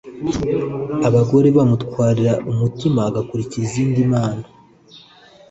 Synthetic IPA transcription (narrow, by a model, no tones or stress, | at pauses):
aβaɡo̞ɾeβamutkwaːɾiɾaʔumutimaɡakuɾiciɾiziːndimaːna